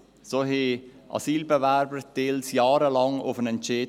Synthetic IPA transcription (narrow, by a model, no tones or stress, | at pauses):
soːɦe | ʔɑ̰siːlbəvæɾbəɾtɪlsjɑːɾəlɑŋʊ̰fənɛnt͡ʃe